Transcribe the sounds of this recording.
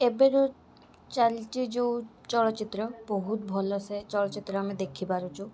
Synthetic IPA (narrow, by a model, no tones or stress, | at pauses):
ebeɾo | t͡ʃalʈid͡ʒeu | t͡ʃɔɭɔt͡ʃit̪ɾɔboɦut̪bʱɔlɔset͡ʃɔɭɔt͡ʃit̪ɾɔamid̪ekʰipaɾut͡ʃʰu